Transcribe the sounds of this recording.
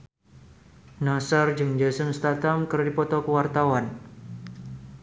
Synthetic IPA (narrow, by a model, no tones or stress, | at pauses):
nasard͡ʒɨŋd͡ʒasənst̪at̪amkərdipɔt̪ɔkəwart̪awan